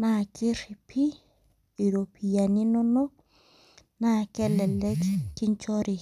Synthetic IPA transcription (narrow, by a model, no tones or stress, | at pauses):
nakiɾpʰi | iɾopʰijaninɔnɔ | nakɛlɛlɛkkiɲt͡ʃɔɾi